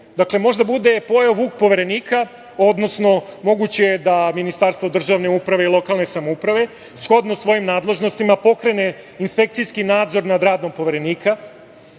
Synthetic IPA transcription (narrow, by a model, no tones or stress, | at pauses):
d̪akle̞mo̞ʒd̪abud̪e̞po̞jaʋuːk̚po̞ʋe̞ɾe̞niːkʰa | o̞d̪no̞sno̞mo̞ɡut͡ɕe̞jed̪aminist̪aɾst̪vo̞d̪r̩ʒaʋne̞upɾaʋe̞ilˠo̞kalˠne̞samoupɾaʋe̞ | sxo̞d̪nosʋo̞jimnaːd̪le̞ʒno̞st̪imapo̞kɾe̞ne̞ | inspe̞k̚t̪sijskinaːd̪zo̞ɾnad̪ɾaːd̪nompo̞ʋe̞ɾe̞niːkʰa